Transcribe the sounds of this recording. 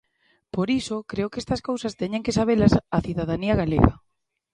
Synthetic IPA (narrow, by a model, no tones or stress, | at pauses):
poɾisokɾeokest̪ɐskowsɐst̪eɲeŋkesaβ̞elasaθiðað̞aniaɣalḛɣa̰